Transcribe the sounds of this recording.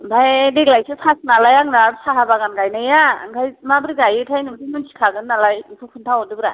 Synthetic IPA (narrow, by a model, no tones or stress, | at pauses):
bajdeɡlajsɯpʰasnalajaŋnaɾsaɦabaɡanɡajnajaɡajmabɯɾiɡajɯtʰajnɯbsʰimɯnsʰi̥kʰaɡɯnːalajpʰɯpʰuntʰawɔdɯbɯɾa